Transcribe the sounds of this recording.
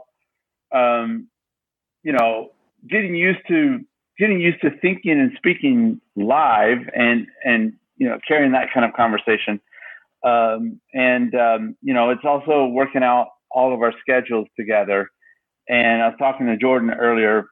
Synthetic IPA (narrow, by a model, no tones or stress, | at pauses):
ʌ̃m | jɨñoʊ | ɡɛɾɪ̃ŋjʉstʰɨ | ɡ̥ɛɾɪ̃ŋjʉstʰɨθɪ̃ŋkɪ̃ŋɨ̃nspikɪ̃ŋlaɪvɨ̃nɨ̃n | jɨnoʊkʰɛɹiɪ̃ŋðɨt̚kʰãɪ̃ndʌv̥kʰɑ̃ɱvə˞seɪʃɨ̃n | ʌ̃mɨ̃nʌ̃mjɨñoʊɨtsɔlˠsoʊwɜ˞kɪ̃ŋaʊɾ | ʔɔlˠʌvaʊə˞skɛd͡ʒl̩ˠz̥tʰɨɡɛðə˞ | ʔɨ̃naɪwʌz̥tʰɔkɪ̃ŋtʰɨd͡ʒɔɹdⁿn̩ɜ˞lˠiə˞